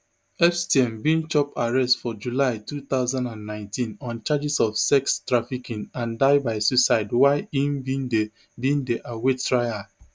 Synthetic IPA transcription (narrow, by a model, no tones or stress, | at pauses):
ɛfstiɛ̃mbĩnt͡ʃɔpaɹɛstfɔd͡ʒulaɪtut̪aʊzãndãnːãɪ̃ntĩnɔ̃nt͡ʃad͡ʒisɔfsɛkstɹafikĩnãndaɪbaɪsusaɪdwaɪĩmbinde | bĩndeʔawettɹaɪa